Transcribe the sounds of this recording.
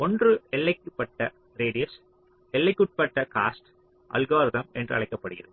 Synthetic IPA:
ɔndrɯɛlːɐɪkːɯpːɐʈːɐ | ɾeːɽɪjɐs | ɛlːɐɪkːʊʈ̚pɐʈːɐka̰ːsʈ | ʔɐ̰lɡaːɾɪðɐmɛndrɯɐɭɐɪkːɐpːɐɽɯɣɪ̰ɾɐð

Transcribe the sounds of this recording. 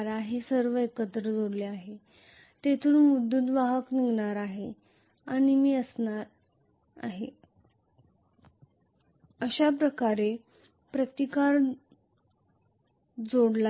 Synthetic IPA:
ɾaɦesəɾʋəekət̪ɾəd͡zoɽleaɦe | t̪et̪ʰuːnmud̪ʱːunʋaɦəkniɡɳaɾaɦe | aɽ̃imiːəsnaɾ | a̰ɦe | əɕapɾəkaɾe | pɾət̪ikaɾ | d͡zoɽla

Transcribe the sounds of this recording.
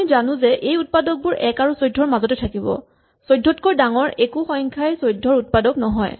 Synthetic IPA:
zanʊ̃zɛʔejut̚padɔk̚bʊɹɛkaɹusojdʱːɔɹmazɔtɛtʰakibɔ̰ | sojdʱːɔtkɔdaŋɔɹekuxɔjŋkʰajsojdʱːɔɹut̚padɔknɔɦɔ̰j

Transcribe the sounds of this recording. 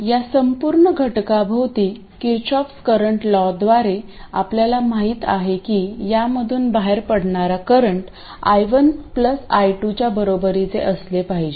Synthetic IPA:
jasəmpuɾɳəɡʱəʈkabʱəʋt̪iː | kiɾt͡ɕɔpskəɾəɳʈlɔd̪ʋaɾe | apljalamaɦiːt̪a̰ɦekiːjaməd̪ʱuːnbaɦeɾpəɽɳaɾakəɾəɳʈ | a̰jʋənpləsajʈut͡ɕjabəɾobəɾit͡sḛʔəslepaɦid͡ʑe

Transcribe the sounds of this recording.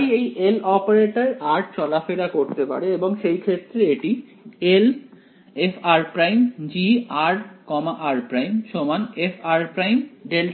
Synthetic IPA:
jejelɔpaɾeʈaɾaɾʈ̚t͡ɕɔlafeɽakoɾt̪epa̰ɽeeboŋʃejkʰet̪ːɾeeʈi | el | efaɾpɾajmd͡ʑiaɾkɔmaʔaɾpɾajmʃomanefʰaɾpɾajmɖel

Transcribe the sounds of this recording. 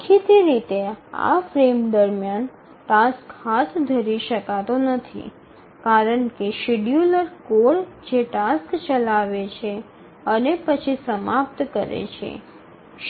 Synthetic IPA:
kʰit̪iɾit̪ea̰fɾemd̪əɾmjan | ʈaskhat̪ʰd̪ʱəɾiʃəkat̪onət̪ʰḭ | kaɾəɳkeʃiɖjuləɾkoɽd͡ʒeʈaskt͡ʃəlaʋet͡ʃʰe | ənepət͡ʃʰisəmap̚t̪kəɾḛt͡ʃʰḛ

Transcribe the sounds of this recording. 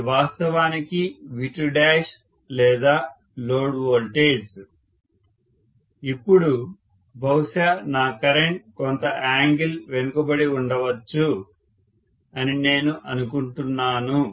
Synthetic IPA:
ʋaːst̪ɐʋaːnikiʋiʈɾuɖaːʂ | lɛːd̪aː | lo̞ːɖʋoːlʈeːd͡ʒ | ipːuɽu | bʱɐwʂanaːkɐɾeɳʈ̚kont̪ɐʔaːŋɡilʋe̞nukɐbɐɽiuɳɖɐʋɐt͡ʃːu | ɐnine̞ːnuʔɐnukuɳʈunːaːnu

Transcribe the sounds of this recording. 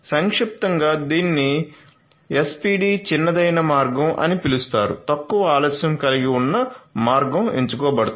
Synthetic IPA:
sɐŋkʂip̚t̪ɐŋɡaːd̪iːnːi | espiːɖiːt͡ʃinːɐd̪ɐjnɐmaːɾɡɐmʔɐ̰nipilust̪aːɾṵt̪ɐkːuʋɐaːlɔːsjɐmkɐliɡiunːɐmaːɾɡɐmḛɲt͡ʃukɔːbɐɽɐt̪

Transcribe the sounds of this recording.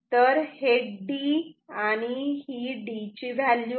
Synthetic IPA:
t̪əɾheɖɖiaɽ̃ihiːɖit͡ɕiʋalju

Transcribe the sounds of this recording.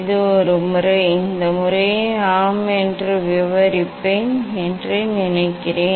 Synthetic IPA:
ðɯɔɾɯmʊrɐɪɪnd̪ɐmʊrɐjaːmɛndrɯʋɪʋɐɾɪpːeːnɛndrɯnɪnɐɪkːɪreː

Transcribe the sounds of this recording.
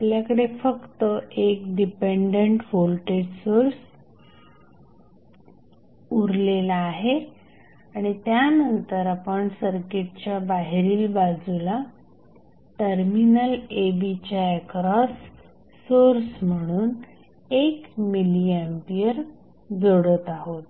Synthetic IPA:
apljakəɽefəkt̪əʔek̚ɖipeɳɖeɳʈʋolʈeɽsoɾs | uɾlelaːɦe | aɽ̃it̪janənt̪əɾapəɳsəɾkeʈ̚t͡ɕjabaɦɾiːlbad͡zula | ʈəɾminəlebit͡ɕjaekɾɔsː | oɾsm̤əɽ̃uːn | ekmiliempiəɾ | d͡zoɽət̪aɦot̪̚

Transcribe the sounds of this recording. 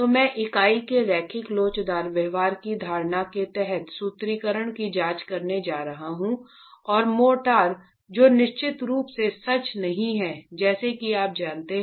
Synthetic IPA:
tt̪oːmɛ̃ːʔɪkaːikeɾɛːkʰɪkloːt͡ʃd̪aːɾʋɛːʋaːɾkid̪ʱaːɾnaket̪ɛɦɛt̪suːt̪ɾiːkəɾəɽ̃kid͡ʒaːt͡ʃkɐɾned͡ʒaːɾɐɦaɦũ | ɔːɾmoːʈaːɾ | d͡ʒoːnɪʃt͡ʃɪt̪ɾuːpsesɐt͡ʃnɐɦĩɦɛd͡ʒɛːsekiaːp̚d͡ʒaːnt̪eɦ

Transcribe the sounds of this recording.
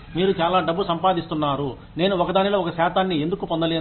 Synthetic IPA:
miːɾut͡ʃaːlaːɖɐbːusɐmpaːd̪ist̪unːaːɾu | ne̞ːnuɔkɐd̪aːniloːɔkɐsɛːt̪aːnːiend̪ukupɔnd̪ɐle̞ː

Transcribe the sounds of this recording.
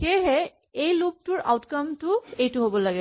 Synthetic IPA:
keɦɛ | ejlup̚tuɹʔa̰wtkamtʊejtʊɦobɔlaɡɛ

